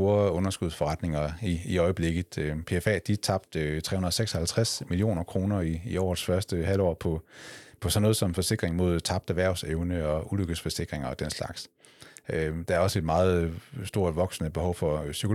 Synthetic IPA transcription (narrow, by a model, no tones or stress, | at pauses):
o̝ːɐɔ̽nɐsɡ̥uð̞̰ˠsfɒ̽ʁɑ̈d̥ne̝ŋɐiiɒ̽ɪəb̥le̝ɡ̥ð̩ˠpʰe̝efɛ̰ːd̥it͡sʰɑ̈b̥̚d̥t͡sʰʁɛ̰hunɐð̩ˠseɡ̥sɒ̽hælt͡sʰʁasmilio̝̰ːnɐkʰʁo̝ːnɐiːɒ̰ːd̥sfɶɐsd̥əɦæl̰ɒ̰ːpʰɒ̽pʰɒ̽sɒ̽nːɔːð̩ˠsɒ̽mfɒ̽se̝ɡ̥ʁeŋmo̝ð̞̰ˠt͡sʰɑ̈b̥d̥æʋæɐ̰ʊseʊnəɒ̽ʔuløɡ̥ð̩sfɒ̽se̝ɡ̥ʁeŋɐɒd̥enslɑ̈ɡ̥s | d̥ɑ̈æɐɒ̽səe̝d̥mɑ̈ːð̞̩ˠsd̥o̝ɐ̰d̥ʋɒ̽ɡ̥snəb̥e̝hɒ̽ʊfɒ̽sykʰo̝